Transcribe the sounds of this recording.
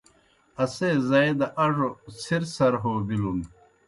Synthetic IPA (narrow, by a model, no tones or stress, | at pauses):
ɐsezɐed̪ɐʔɐʐosiɾsɐɾɦoːbilun